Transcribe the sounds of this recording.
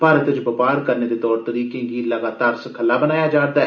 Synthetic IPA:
paːɾət̪ət͡ʃbəpaːɾkəɾneːd̪eːt̪ɔːɾt̪əɾiːkẽɡiːləɡaːt̪aːɾsəkʰəlːaːbənaːjaːd͡ʒaːɾd̪aːɛː

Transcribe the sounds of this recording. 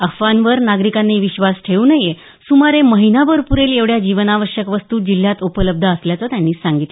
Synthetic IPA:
əfʋanʋəɾnaɡɾikanːeʋiɕʋasʈʰeuːnəɦje | sumaɾeməɦinabəɾpuɾeleʋɽjad͡ʑiʋənaʋəɕjəkʋəst̪uːd͡ʑil̤ːjat̪upələb̚d̪ʱəːsljat͡sat̪janːiːsãŋɡit̪l

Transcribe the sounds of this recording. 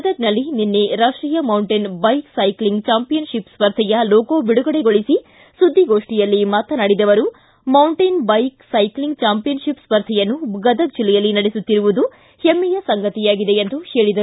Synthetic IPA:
ɐd̪ɐɡ̚nɐlːininːeɾaːʂʈɾiːjɐmɐwɳʈenbɐjksɐjkliŋɡt͡ʃaːmpijɐnʂipspɐɾd̪ʰʱɛjɐlɔːkoːbiɽuɡɐɽeɡo̞ɭisi | sud̪ʱːiɡo̞ːʂʈijɐlːimaːt̪ɐnɐɽid̪ɐʋɐɾu | mɐwɳʈɐnbɐjksɐjkliŋɡt͡ʃaːmpijɐnʂipspɐɾd̪ʱɛjɐnːuɡɐd̪ɐɡ̚d͡ʒilːɛjɐlːinɐɽesut̪ːiɾuʋud̪u | hemːijɐsɐŋɡɐt̪ijaːɡid̪e̞end̪uheːɭid̪ɐɾ

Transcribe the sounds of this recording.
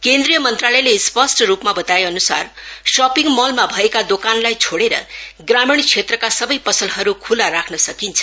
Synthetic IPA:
kend̪rijʌmʌnt̪ralʌjlespʌsʈʌɾupmabʌt̪aeʌnusarsʌpiŋmʌlmabʱʌekad̪okanlajt͡sʰoɽeɾʌ̰ɡramiɽ̃t͡sʰet̪rʌkasʌbʌjpʌsʌlɦʌɾukʰulaɾakʰnʌsʌkint͡sʰʌ

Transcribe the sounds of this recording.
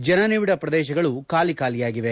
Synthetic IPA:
d͡ʒɐnɐneːʋiɽɐpɾɐd̪ɛːʃɐɡɐɭukaːlikaːlijaːɡiʋe̞

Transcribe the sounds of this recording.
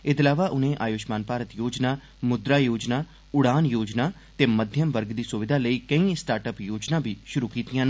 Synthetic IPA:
ɪt̪laːʋaːʔʊnẽːʔa̰ːjoːʃmaːnpaːɾət̪joːd͡ʒnaː | mʊd̪ɾaːjoːd͡ʒnaː | ʊɽaːnjoːd͡ʒnaː | t̪eːməd̪ʱjəmʋəɾɡd̪iːsʊʋɪd̪ʱaːləiːkəĩːsʈaːɾʈəpjoːd͡ʒnãːbʱiːʃʊɾuːkiːt̪ijãːn

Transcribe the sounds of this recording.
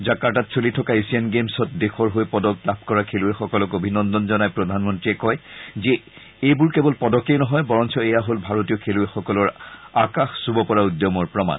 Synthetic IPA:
zakatatsolitʰɔkaisianɡemsɔtdexʰɔɹɦojpɔdɔk̚lab̚ʰʱkɔɹakʰeluɛxɔkɔlɔkobʱinɔndɔnzɔnajpɹɔdʱanmɔntɹiɛkɔjzɛ | ejbuɹkebɔlpɔdɔkejnɔɦɔjbɔɹɔnsʰɔejaɦolbʱaɹotiɔkʰeluɛxɔkɔlɔɹakaxsubɔpɔɹaudjɔmɔɹpɹɔma̰n

